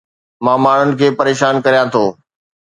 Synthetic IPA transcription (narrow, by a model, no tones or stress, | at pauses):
mãːmaːɳ̤ʊnɪ̆kʰeːpɐɾeːʃaːnkɐɾijãt̪ʰoː